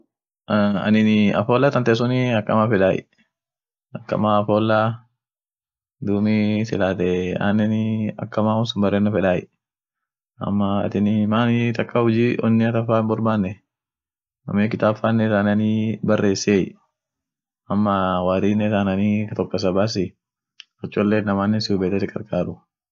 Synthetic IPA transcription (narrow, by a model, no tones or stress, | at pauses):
ɐ̰nɪnɪɐ̰foːlːɐt̪ɐnt̪ɛs̬ʊnɪɐkːɐmafɛᶑaːjɪ̰ | ɐkːɐ̰maːɐfoːlːa | d̪uːmɪsɪlaːt̪ɛa̰ːnːɛnɪɐ̰kːɐmaːhʊnsʊmbɐreːnːɐfɛᶑaːjɪ̰ | ɐ̰mːɐɐ̰t̪ɪnɪmaːnɪt̪ɐkʼːahʊd͡ʒiːʔɔnːɪɐt̪ɐfaːnbɔɾbaːnːɛ | nɐ̰meːkɪt̪aːbfaːnːɛt̪aːnɐnibɐrːeːsːeːj | ɐmːɐwaːɾiːnːɛt̪anɐnit̪ɔkːɐs̬ɐbaːs̬ɪ | ɐt͡ʃʼːɔlːeːnɐmaːnːɛnsɪʊbeːt̪ɛt̪ɪkʼɐɾkʼaːɾʊ